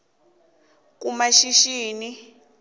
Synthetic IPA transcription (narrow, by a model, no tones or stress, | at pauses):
k̬umaʃiʃiːni